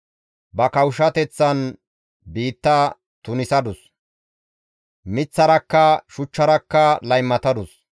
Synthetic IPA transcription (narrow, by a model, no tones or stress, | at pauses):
bɐkɐwʃɐt̪ɛt͡sːɐn | biːt̪ːɐ | t̪ʊnɪsɐd̪ʊs | mɪt͡sːɐɾɐkːɐʃʊt͡ʃːɐɾɐkːɐlɐjmːɐt̪ɐd̪ʊs